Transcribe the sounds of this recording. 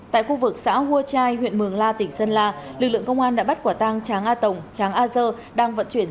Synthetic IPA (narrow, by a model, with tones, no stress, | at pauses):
t̪a̰ː˧˨jxu˧vɨ˨˩k̚sa̰ː˧˥ɦu˧ət͡ɕaː˧jhwḭ˧˨ənmɨ˨˩əŋlaː˧t̪ï˧˩ŋ̟sə˧nlaː˧lɨ˨˩k̚lɨ̰˧əŋkə˧wŋ͡mʔaː˧nɗa̰ː˧˥ɓt̚kwaː˧˩t̪aː˧ŋt͡ɕaː˨˦ŋʔaː˧t̪ə˨˩wŋ͡mt͡ɕaː˨˦ŋʔaː˧zəː˧ | ɗaː˧ŋvə̰˧˥nt͡ɕwi˧˩ən